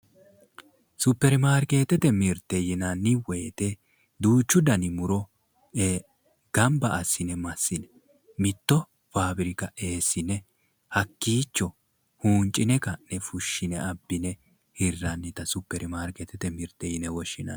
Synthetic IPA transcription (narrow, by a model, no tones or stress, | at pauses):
sʊpːɛɾɪmaːɾke̞ːt̪ɛt̪ɛmɪɾt̪ːɛjɪnɐnːɪwɔjt̪ɛ | d̪uːt͡ʃːʊd̪ɐnɪmʊɾɔ | e | ɡ̥ɐmbɐʔɐsːɪnɛmɐsːɪnɛ | mɪt̪ːɔ | faːbɪɾɪkɐe̞ːsːɪnɛ | hɐkːiːt͡ʃːɔ | huːnt͡ʃʼɪnɛkɐnɛfʊʃːɪnɛɐbːɪnɛ | hɪrːɐnːɪt̪ɐsʊpːɛɾɪmaːɾket̪ɛt̪ɛmɪɾt̪ːɛjɪnɛwɔʃːɪnɐ̰n